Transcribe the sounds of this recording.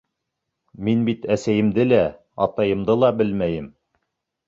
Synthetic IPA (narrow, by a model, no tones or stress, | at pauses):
minbit̪æsæjɘ̆md̪ɘlæ | ɑt̪ɑjɤ̆md̪ɤlˠɑbɘlmæjɘm